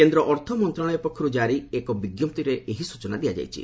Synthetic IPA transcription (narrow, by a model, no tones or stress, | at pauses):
kend̪ɾɔʔɔɾt̪ʰɔmɔnt̪ɾaɭ̃ɔjɔpɔkʰːɔɾud͡ʒaɾiekɔbiɡjɔp̚t̪iɾeʔeɦisut͡ʃɔnad̪ijad͡ʒa̰jt͡ʃʰḭ